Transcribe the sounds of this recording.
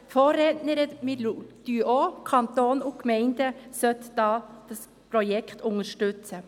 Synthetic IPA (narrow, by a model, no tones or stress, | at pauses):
foːɾeːt̪nəɾəmed̪̥yʔoːkʰɑnt̪oːnʊkmeɪnd̪əsœt̪d̪ɑːd̪̥ɑs | pʰɾɔjɛkt̪ʰʊŋəʃʈʉt̪sə